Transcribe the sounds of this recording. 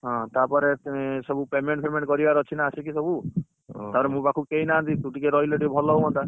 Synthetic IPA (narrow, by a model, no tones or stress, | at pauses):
ɦɔ̃t̪apɔɾesɔbupemeɳʈpemẽɳʈkɔɾibaɾɔt͡ʃʰinaːsʰikisɔbu | t̪apɔɾemũbakʰukeinant̪it̪uʈikeɾɔileʈibʱɔlɔɦoɦɔnt̪a